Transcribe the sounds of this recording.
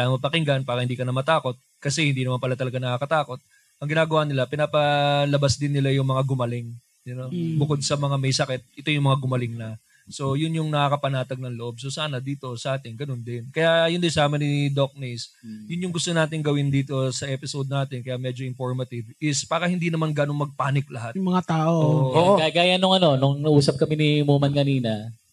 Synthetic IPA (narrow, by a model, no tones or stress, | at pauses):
amɐpɐkɪŋɡɐnpaːɾɐhɪnd̪iːkɐnɐmɐt̪aːko̞t̪̚ | kɐsɛhɪnd̪iːnɐmanpɐlat̪ɐlɐɡanɐkakɐt̪aːko̞t̪̚ | ʔɐŋɡɪnaːɡɐwanɪlapɪnapɐlɐbasd̪ɪnːɪlajʊŋmɐŋaɡʊmɐlɪŋ | nobʊko̞d̪̚sɐmɐŋamɛjsɐkɛt̪̚ʔɪt̪o̞jʊŋmɐŋaɡʊmɐlɪŋnɐ | so̞jʊnjʊŋnɐkaːkɐpɐnaːt̪ɐɡ̚nɐŋloʔo̞b̚sosaːnɐd̪iːt̪o̞sɐʔaːt̪ɪŋɡɐno̞nd̪ɪnkɐjajʊnd̪ɪsaːmɐnɪd̪ok̚nejs | jʊnjʊŋɡʊst̪onaːt̪ɪŋɡɐwɪnd̪iːt̪o̞sɐʔɛpɪsod̪̚naːt̪ɪnkɐjaʔmɛd͡ʒoʔɪnfoɹmɐt̪ɪvɪspaːɾɐhɪnd̪inɐmanɡɐnoŋmɐɡ̚paːnɪk̚lɐɦat̪mɐŋat̪aːʔoʔʔoɡaɡaːjɐnːʊŋɐno̞nʊŋnɐuːsɐp̚kɐmɪnimuːmɐnkɐniːnɐ